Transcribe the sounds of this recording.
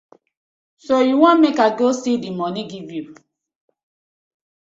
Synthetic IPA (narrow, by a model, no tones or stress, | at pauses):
sojuwʷamekaɡosidimɔniɡivjuu